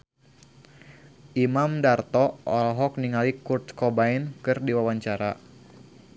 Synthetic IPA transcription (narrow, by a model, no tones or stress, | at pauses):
ʔimamdart̪ɔɔlɦɔk̚niŋalikurt̪kɔbainkɨrdiwawaɲt͡ʃaɾa̰